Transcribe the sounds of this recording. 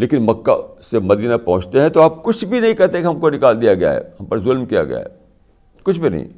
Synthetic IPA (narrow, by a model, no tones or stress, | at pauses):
leːkɪnmɐkːa̰semɐd̪iːnapɐɦʊ̃t͡ʃt̪eɦɛ̃t̪oaːp̚kʊt͡ʃʰbʱinɐɦĩkɐɾt̪eɛkiɦɐmkonɪkaːld̪ijaɡɐja̰ɦɛ̰ːhɐmpɐɾzʊlmkija̰ɡɐ̰ja̰ɦɛ̰ | kʊt͡ʃʰbʱinɐ̰ɦḭ̃